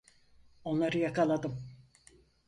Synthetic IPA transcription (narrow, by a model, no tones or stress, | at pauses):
o̞nlˠaɾɯjakalˠad̪ɯm